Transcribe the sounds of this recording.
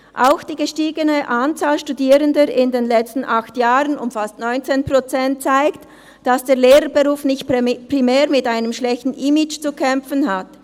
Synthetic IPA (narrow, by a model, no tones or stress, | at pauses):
ʔaʊxd̥iːɡəʃtiːɡənəʔant͡saːlʃtudiːɾəndəʔɪndeːnlɛt͡stn̩ʔaxtjaːʁənʊmfastnɔʏnt͡seːnpʁ̥ot͡sɛnt̚t͡saɪkt | d̥asd̥eːleːɾəbeʁuːfnɪçtpr̥imɛːʁmɪtaɪnəmʃlɛçtn̩ʔɪmɪt͡ʃt͡sukʰɛmfənɦat